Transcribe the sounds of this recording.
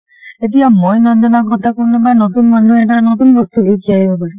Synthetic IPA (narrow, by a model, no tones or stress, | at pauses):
et̬iamɔjnɔndɔnaɡɔt̪akuɾnɔbanɔt̪unmanuɛʈanɔt̪unbʱɔt̪ʰuɦekiaɦibɔpaɾi